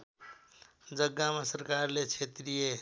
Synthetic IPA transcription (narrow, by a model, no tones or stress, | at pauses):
d͡zəɡːamasəɾkaɾlet͡ʃʰet̪ɾije